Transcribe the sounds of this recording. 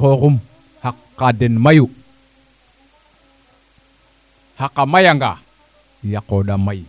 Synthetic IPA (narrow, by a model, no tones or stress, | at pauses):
okum | hakːadenmaju | hakːamajaŋɡa | jakːoɗamaj